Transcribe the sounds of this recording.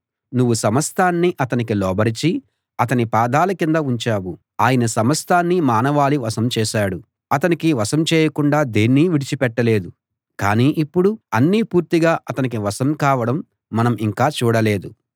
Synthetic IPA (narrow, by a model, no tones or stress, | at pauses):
nuʋːusɐmɐst̪ʰaːnːiʔɐt̪ɐnikilɔːbɐɾit͡ʃi | ɐt̪ɐnipaːd̪aːlɐkind̪ɐuɲt͡ʃaːwu | aːjɐnɐsɐmɐst̪ʰaːnːimaːnɐʋaːliʋɐsɐmt͡ʃɛːʃaːɽu | ɐt̪ɐnikiʋɐsɐmt͡ʃɛːjɐkuɳɖaːd̪eːnːiʋiɽit͡ʃipɛʈːɐle̞ːd̪u | ka̰ːniːʔipːuɽuɐnːiːpuːɾt̪iɡaːʔɐt̪ɐnik̬iʋɐsɐmkaːʋɐɽɐmː | ɐnɐmiŋkaːt͡ʃuːɽɐle̞ːd̪u